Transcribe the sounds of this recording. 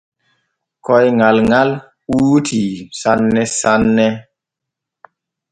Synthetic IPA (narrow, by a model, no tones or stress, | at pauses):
kɔjŋalŋal | utʰisanːɛsanːɛ